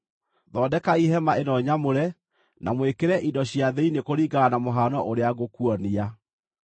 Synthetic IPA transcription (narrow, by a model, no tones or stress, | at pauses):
ðɔːdɛkaiɦɛmaʔenɔɲamoɾɛ | nʔa̰mwekeɾɛʔidɔɕjaðɛinekoɾiːɡaːnamoɦanɔʔoɾeaɣokuɔnia